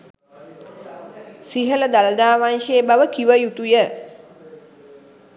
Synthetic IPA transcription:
siɦələd̪aləd̪aːʋanʃebaʋəkiʋəjut̪ujə

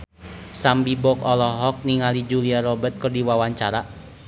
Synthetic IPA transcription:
sambibɔkɔlɔɦɔk̚niŋalid͡ʒuliaɾɔbət̪̚kərdiwawaɲt͡ʃaɾa

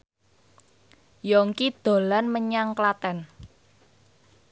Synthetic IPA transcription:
jɔŋkid̪̥o̤lanməɲaŋklat̪ɛn

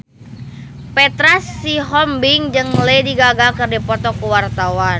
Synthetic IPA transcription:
pɛt̪ɾasːiɦɔmbiŋd͡ʒɨŋlediɡaɡakɨrdipɔt̪ɔkuwart̪awan

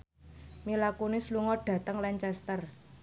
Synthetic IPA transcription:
milakunɪsluŋɔɖ̥ä̤t̪əŋlɛɲt͡ʃɛst̪ər

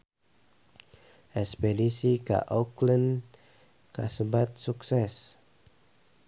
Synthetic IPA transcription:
ʔɛspedisika̰ʔoklən | kasəbat̪̚suksɛs

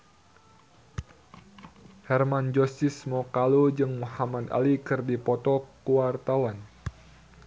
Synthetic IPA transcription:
hɛrmand͡ʒɔsismɔkalud͡ʒɨŋmuhamad̪a̰likɨrdipɔt̪ɔkuwart̪awan

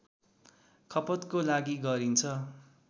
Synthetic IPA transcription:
kʰʌpʌt̪kolaɡiɡʌɾint͡sʰʌ

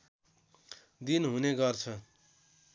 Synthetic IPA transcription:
d̪inɦuneɡʌrt͡sʰʌ

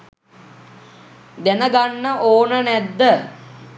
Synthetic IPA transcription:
d̪ænəɡanːəʔoːnənæd̪ːə

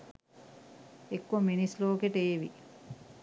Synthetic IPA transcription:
ekːominisloːkeʈeːʋi

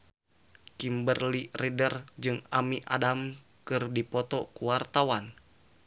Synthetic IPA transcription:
kimbərliridərd͡ʒɨŋamiʔadam | kɨrdipɔt̪ɔkuwart̪awan

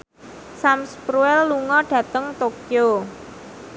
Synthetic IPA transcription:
samspɾuɛlːuŋɔɖ̥ä̤t̪əŋt̪okjo

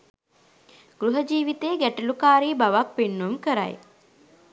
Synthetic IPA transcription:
ɡ̥ɾuɦəd͡ʒiːʋit̪eːɡæʈɐlukaːɾiːbaʋak̚penːumkəɾa̰j

